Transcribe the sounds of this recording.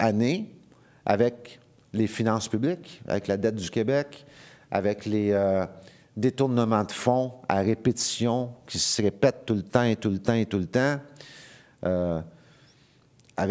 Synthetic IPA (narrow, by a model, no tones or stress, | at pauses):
ane | a̰vɛk | lefinɑ̃spyblɪka̰vɛklad̪ɛt̪̚d̪ykʲebɛka̰vɛkleø | d̪et̪uʁnəmɑ̃d̪əfɔ̃aʁepet̪i̥sjɔ̃kʲisəʁepɛt̪ːult̪ɑ̃et̪ult̪ɑ̃et̪ult̪ɑ̃ | ø | av